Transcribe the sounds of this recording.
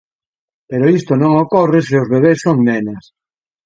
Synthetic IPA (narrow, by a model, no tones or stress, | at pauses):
peɾoist̪onõŋokoreseʊzβeβ̞essːoŋnɛnɐs